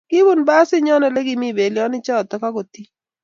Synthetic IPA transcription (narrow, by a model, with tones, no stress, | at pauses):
kɪ˦bu˦˨nba˦sɪ˦ɲɔ˦nɔ˨le˦ɡɪ˦mi˦˨be˨ljɔ˦nɪ˦t͡ʃɔ˦˨t̪ɔ˨˦ka˦ko˨t̪i˦